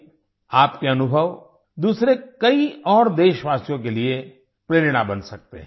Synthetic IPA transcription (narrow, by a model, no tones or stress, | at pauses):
aːpkeɐnʊbʱəʋ | d̪uːsɾekɐiɔːɾd̪eːʃʋaːsijõk̬elie | pɾeːɾɽabɐnsɐk̚t̪ḛɦ